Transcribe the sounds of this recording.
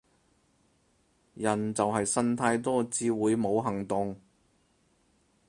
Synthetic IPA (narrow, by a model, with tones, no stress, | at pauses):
jɐ˨˩nt͡sɐ˨wɦɐ˨jsɐ˥nt̪ʰaː˧jt̪ɔː˥t͡siː˧wuː˨˧jmo˨˧wɦɐ˨˩ŋt̪ʊ˨ŋ